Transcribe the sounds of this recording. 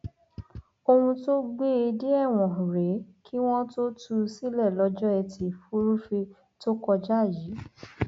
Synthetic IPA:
o˧hũ˧to˦ɡ͡be˦˨e˧de˦ɛ˦˨w̃ɔ̃˨ɾe˨˦kʰi˦w̃ɔ̃˦to˦tu˧si˦lɛ˦˨lɔ˨˧˦d͡ʒɔ˦ɛ˧tʰi˧˨fu˦ɾu˦fe˧ | to˦kɔ˧d͡ʒa˦˨ji˨˦

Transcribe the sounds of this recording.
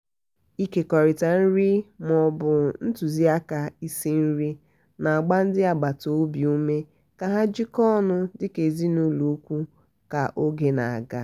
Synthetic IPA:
i˦ke˨kɔ˨ɾɪ˨ta˨n̩˦ɾi˦m˨ɔ˨bʊ˨n̩˦tu˨zi˦a˦ka˨i˦si˦n̩˦ɾi˦ | na˨a˨ɡ͡ba˦n̩˦dɪ˦a˨ɡ͡ba˨to˦bi˨u˦me˦ | ka˨ɦa˦d͡ʒɪ˦kɔ˦nʊ˦dɪ˦ke˨zi˦nu˦lu˨˦kʷu˦ | ka˨ʔo˦ɡe˦na̰˨a̰˨ɡa̰˦

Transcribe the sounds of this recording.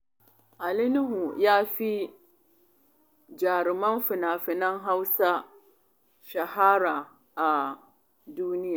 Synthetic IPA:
a˨lɪ˦nɪ˦ɦʊ˨jaː˦fi˦ | d͡ʒaː˨ɾɪ˨ma˦nfɪ˨na˨fɪ˨na˦ŋɦa˦wsa˦ | ʃa˨haː˦ɾa˨ | a˨ | duː˦nɪ˦ja˨

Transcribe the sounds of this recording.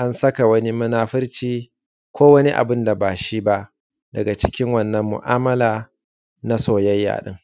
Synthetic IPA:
ʔa˦nsɐ˦ka˨wɐ˦ni˦mɐ˦naː˦ɸɪ˦ɾt͡ʃiː˦ | kʷoː˦wɐ˦ni˦ʔa̰˨bɪ˦nda˨baː˨ʃi˦ba˦ʔ | dɐ˨ɡa˨t͡ʃɪ̥˦kʲɪ˦ŋwɐ˦˨nːɐ˦mːʊ̰˨ʔaː˦mɐ˦laː˨ | na˦soː˨jɐ˦jːa̰ː˨ɗɪ̰˦ŋ

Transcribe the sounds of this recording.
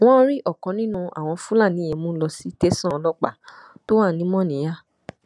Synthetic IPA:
w̃ɔ̃˦ɾi˦ʔɔ˦˨kɔ̃˧nĩ˦nũ˧a̰˨w̃ɔ̃˧fu˦la˦˨nĩ˨˦ɛ˧˨mũ˦lɔ˧si˦te˦sɔ̃˦lɔ˦k͡pa̰˦˨to˦wa˦˨nĩ˦mɔ̃˦˨nĩ˨˦ja˦˨

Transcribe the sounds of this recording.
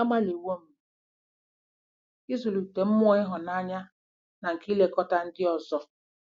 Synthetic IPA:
a˦ma˦li˨wo˦m̩˦˨ | i˦zu˨lu˨te˨m̩˦m˦ɔ˦ɪ˦ɦʊ˨na˦˨ɲa˦ | na˨ŋ̩˨ki˦le˨kɔ˦ta˦n̩˦dɪ˦ɔ˨zɔ˦

